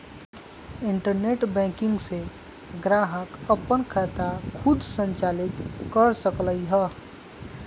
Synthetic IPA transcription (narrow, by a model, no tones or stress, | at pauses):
ɪɳʈəɾneʈbɛ̃kɪ̃ŋɡse | ɡɾaɦəkəpənkʰət̪akʰud̪ʱsə̃nt͡ʃalit̪kəɾsəkləjɦə